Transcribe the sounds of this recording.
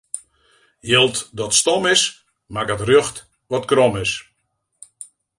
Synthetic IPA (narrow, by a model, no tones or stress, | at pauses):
jɪlˠtdɔtstɔmɪs | maɡ̚ətrjøxt | ʋɔtkrɔmɪs